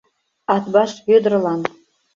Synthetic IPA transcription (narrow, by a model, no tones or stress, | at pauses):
ɑt̪bɑʃjød̪ə̆rlˠɑn